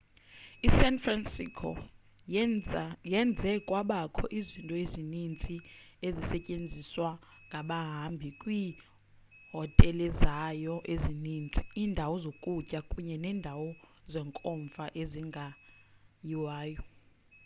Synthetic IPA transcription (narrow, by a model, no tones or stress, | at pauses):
isɛnfrɛnsḭkʰɔ̰ | jɛnd͡zʱɛkʼwaɓakʰɔʔizintʼɔezinint͡sʼiezisɛcʼend͡zʱiswa | ŋɡʱaɓaɦambʱikʼwiː | ɦɔtʼɛlɛzajɔʔeziniːnt͡sʼi̥iːndʱawɔzokʼucʼakʼuɲɛnɛːndʱawɔzɛŋkʼɔɱfaʔeziŋɡʱa | jiwaːjɔ